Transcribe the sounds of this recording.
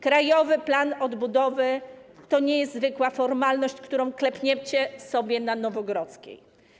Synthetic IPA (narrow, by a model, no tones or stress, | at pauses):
kɾajɔvɘplanɔd̪bud̪ɔvɘt̪ɔɲɛjɛst̪zvɘkwafɔɾmalnɔɕt͡ɕkt̪uɾɔ̃w̃klɛpʲɲɛt͡ɕɛsɔbʲjɛnanɔvɔɡɾɔt̪skʲḛj